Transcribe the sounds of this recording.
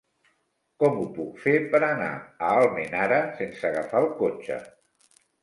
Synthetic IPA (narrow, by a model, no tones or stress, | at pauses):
kɔmupukfepəɾana̰əalˠmenaɾəsensəɣafalˠkot͡ʃə̰